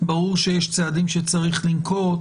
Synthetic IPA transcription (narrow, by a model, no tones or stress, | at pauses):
baʁuʁʃejeʃt͡saːd̪imʃet͡saʁiχlimkʰo̞